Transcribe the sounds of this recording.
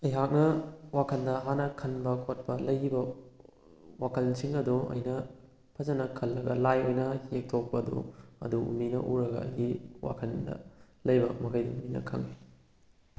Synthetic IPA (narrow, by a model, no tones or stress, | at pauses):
ɐjɦak̚nɐwakʰɐndɐɦanɐkʰɐnbɐkʰot̚pɐlɐjibɐ | wakʰɐlsʰiŋɐduɐ̰jnɐ | pʰɐzɐnɐkʰɐlːɐɡɐlajojnɐhek̚tʰok̚pɐdṵɐ̰duṵminɐ̰ʔuɾɐɡɐ̰ɐ̰jɡiwa̰kʰɐndɐ̰ | lɐjbɐmɐkʰɐjdiuminɐ̰kʰɐŋi